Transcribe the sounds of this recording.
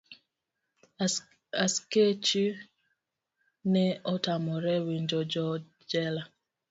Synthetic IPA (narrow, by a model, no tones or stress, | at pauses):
asket͡ʃi | nɛɔtamɔɾɛwiɲd͡ʒɔd͡ʒɔ | d͡ʒɛla